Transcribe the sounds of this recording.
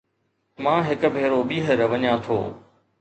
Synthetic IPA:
mãːɦɪkʊ̆bʱeːɾobiːɦəɾʋɐɲãːt̪ʰo̰ː

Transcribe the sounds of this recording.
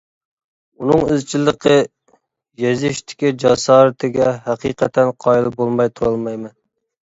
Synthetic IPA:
unɨŋɪzt͡ʃʰilˠəqʰə | jɛzɪʃt̪ʰɪ̥kʲid͡ʒɑsɑːɾɨt̪ʰɪɡʲɛɦæqʰiqʰɛt̪ʰɛnqʰɑjlˠɨbolˠmɑjt̪ʰuɾɑlˠmɑjmɨn

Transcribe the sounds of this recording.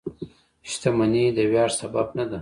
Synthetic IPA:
ʃt̪amanid̪əwjɑːɾsababnad̪a

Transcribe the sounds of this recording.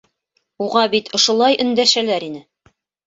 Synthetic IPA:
uʁɑbit̪ʰŏʃŏlˠɑjʔɵ̆nd̪æʃælæɾinɘ

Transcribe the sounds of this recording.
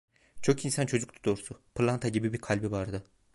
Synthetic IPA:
t͡ʃʰo̞kinsant͡ʃʰo̞d͡ʒuk̚t̪ʰud̪o̞ɾsupʰlˠant̪ʰaɟibibiɾkʰalʲbivaɾd̪ɯ

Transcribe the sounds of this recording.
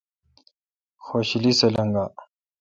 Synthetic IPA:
xoɕilisɐlɐŋɡaː

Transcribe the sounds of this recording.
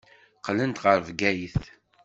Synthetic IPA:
qlənt̪ʁəɾvɡæjiθ

